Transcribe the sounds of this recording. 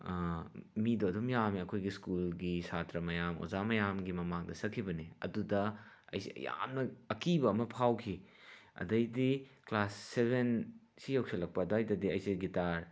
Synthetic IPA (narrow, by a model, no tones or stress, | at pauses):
midoɐdumjamiɐkʰojɡiskulɡisatɾɐmɐjamo̰zamɐjamɡimɐmaŋdɐsɐkʰːibɐniɐ̰dudɐɐ̰jsiɐ̰ja̰mnɐɐkibɐɐmɐpʰawkʰi | ɐ̰dɐjdiklasːebʱensijɐwksʰɐlɐk̚pɐdojdɐdiɐjsiɡitaɾ